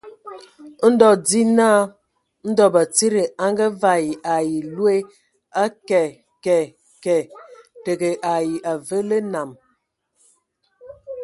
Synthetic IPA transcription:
n̩˦dɔ˨di˦naː˦˨ | n̩˦dɔ˦ba˨t͡si˦ɾi˨a˦ŋɡə˦va˦ji˨ʔa˨ji˨lwe˦ | a˦kɛ˨ | kɛ˨ | kɛ˨te˨ɡe˨ʔa˨ji˨ʔa˨və˦le˦na˨m

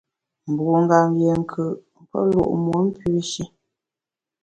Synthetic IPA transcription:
m̩˨bu˨ŋ̩˦ɡa˨mje˨ŋ̩˨kʰɨ˨ʔ | pə̰˦lo̰˦˨ʔmu˨˦m̩˦pʉ˦ʃi˦

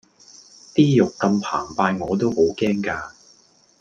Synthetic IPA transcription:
t̪iː˥jʊ˨kːɐ˧mpʰa̰ː˨˩ŋpaː˧jŋɔː˨˧t̪̬o˥who˨˥wkɛː˥ŋkaː˧

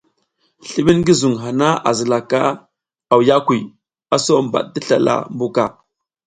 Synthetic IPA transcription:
ɬi˦ɓi˦nɡi˦zu˨ŋɦa˨na˦a̰˨zə˨la˨ka˦ | a˨wja˦kʷi˨ | a˨so˦mba̰˨ɗ̚di˦ɬa̰˨la̰˨mbu˦ka˦˨

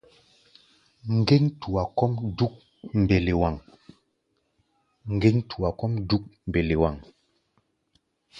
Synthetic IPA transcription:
ŋ̩˨ɡe˦ŋtu˨a˨kɔ˦mdu˦k̚ | m̩˨be˨le˨wa˨ŋ | ŋ̩˨ɡe˦ŋtʰu˨a˨kɔ˦mdu˦k̚m̩˨be˨le˨wa˨ŋ

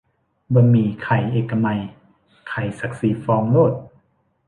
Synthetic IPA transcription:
bɔ˧miː˧kʰa˨˩jʔeː˨˩kːa˧ma˧j | kʰa˨˩jsa˨˩˦k̚si˨˦fɔː˧ŋloː˥˩t̪̚

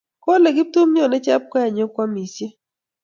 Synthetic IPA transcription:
ko˦le˨ɡɪ˦tu˦mɲɔ˨nɛ˦t͡ʃa˦p̚kɔ˦ja˨ɲo˦kwa˦mi˨sje˦

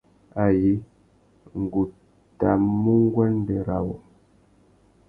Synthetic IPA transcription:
a˨ji˨˦ | ŋ̩˨ɡu˨ | ta˨mu˦ŋ˦ɡwɛ˦n˦dɛ˨ɾa˨wo˨

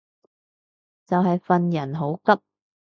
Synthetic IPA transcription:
t͡sɐ˨wɦɐ˨jfɐ˨˧njɐ˨˩nɦo˨˥wkɐ˥p̚

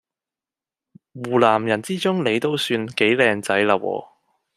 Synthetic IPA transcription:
wuː˨˩laː˨˩mjɐ˨˩nt͡siː˥t͡sʊ˥ŋle˨˧jt̪o˥wsyː˧nke˨˥jlɛː˧ŋt͡sɐ˨˥jlaː˧wɔ̰ː˧

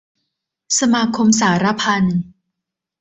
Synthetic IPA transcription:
sa˧maː˧kʰo˧ms̬aː˩˦ɾa˦˥pʰa˧n

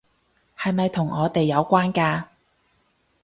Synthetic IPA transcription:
hɐ˨jmɐ˨jt̪ʰʊ˨˩ŋʔɔː˨˧t̪e˨jːɐ˨˧wkʷaː˥nkaː˧

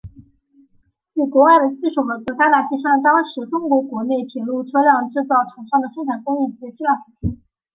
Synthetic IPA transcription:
i˥˩kwɔ˧˥wa˥˩ɪd̪ə˩t͡ɕi˥˩ʂu˥˩xɤ˧˥kɤ˧˥t̪a˥t̪a˨˩t͡ɕi˥ʂa˥˩ŋt̪ɑ˥ŋʂɻ̩˧˥ʈ͡ʂʊ˥ŋkwɔ˧˥kwɔ˧˥ne˥˩ɪpʰi˨˧˩ŋlu˥˩ʈ͡ʂʰɤ˥ljɑ˥˧ŋʈ͡ʂɻ̩˥˧t͡sɑ˥˩ʊʈ͡ʂʰɑ˧˥ŋʂɑ˥˩ŋd̪ə˩ʂɤ˥ŋʈ͡ʂʰa˨˩nkʊ˥ŋi˥˩t͡ɕɛ˧˥ɕi˥la˥˩fu˨˩t͡ɕʰ

